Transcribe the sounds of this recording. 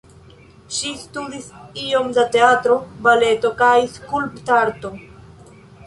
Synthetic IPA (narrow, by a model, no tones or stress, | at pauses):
ʃist̪ud̪isio̞md̪at̪eat̪ɾobale̞t̪o̞kajskulpt̪aɾt̪o